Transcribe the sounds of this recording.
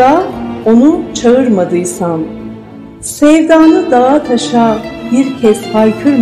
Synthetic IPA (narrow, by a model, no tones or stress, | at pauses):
ao̞nut͡ʃʰaɯɾmad̪ɯjsan | sɛvd̪aːnɯd̪aɦat̪ʰaʃaːbiɾcʰɛshajcʰyɾm